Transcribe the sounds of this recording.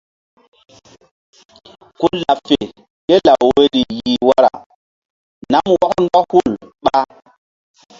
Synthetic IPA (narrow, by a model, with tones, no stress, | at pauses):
ku˦la˨fe˨ | ke˦la˨we˦ɾi˨ji˨wa˦ɾa̰˨ | na˦mwɔ˦kn˦dɔ˦hu˦˨lɓa˦